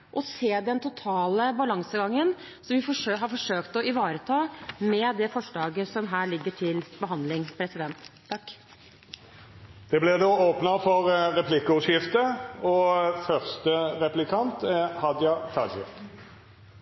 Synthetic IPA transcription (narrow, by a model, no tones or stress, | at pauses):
ʔɔseːd̪ɛnt̪ʰʊt̪ʰɑːləbɑlɑŋsəɡɑŋːən | sɔmʋɪfɔʂɦɑɾfɔʂøːkt̪ɔɪʋɑːɾət̪ʰɑːmɛd̪ɛfɔʂɭɑːɡəsɔmɦæːɭɪɡːəʈʰɪlbəɦɑnd̪lɪŋpʰɾɛsɪd̪ɛnt̪ʰː | ɑkː | d̪̥ɛblɛd̪oːoːpnəfɔʁʁɛpʰlɪkːəʉsjɪft̪əɔfœʁst̪əʁɛplɪkʰɑnt̪ɛhɑd̪jɑt̪ʰɑd̪ɕɪ̰f